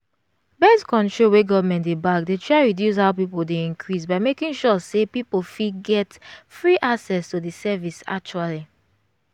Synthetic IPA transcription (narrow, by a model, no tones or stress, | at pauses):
bɛskɔ̃ntɹoweɡɔvmɛ̃ntdebakdetɹaɪɹidjus̬haʊpipodeĩŋkʰɹis̬baɪmekĩŋʃɔsepipofiɡɛtfɹiʔaksɛstudisɛvisa̰k̚t͡ʃuali